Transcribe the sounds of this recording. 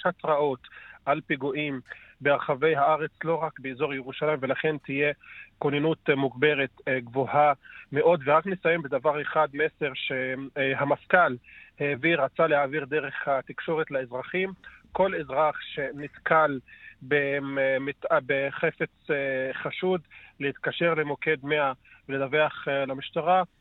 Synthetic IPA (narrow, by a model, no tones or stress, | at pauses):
atʁaʔo̞t̪ʔalpiɡuʔimbeaʁχave̞jɦaaʁe̞t͡slo̞ʁakbeezo̞ʁjeʁuʃalajmvelaχe̞nt̪ije̞konjanut̪muɡbe̞ʁet̪ɡvohameʔo̞d̪veʁaknesajembed̪avaʁeχad̪me̞se̞ʁʃehamafkalheːviʁat͡salehaːviʁd̪eʁe̞χhat̪ikʃo̞ʁet̪laezʁaχimko̞le̞zʁaχʃe̞nit̪kʰalbemit̪abeχe̞fe̞t͡sχaʃud̪lehit̪kaʃe̞ʁlemo̞ke̞d̪meaveledave̞aχlamiʃt̪aʁa